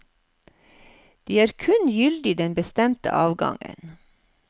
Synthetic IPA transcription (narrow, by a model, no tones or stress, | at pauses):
d̪̥iːæːɾkʰʉnjʏld̪ɪd̪ɛnbəst̪ɛmt̪ə̰ʔɑːʋɡɑ̰ŋə̰n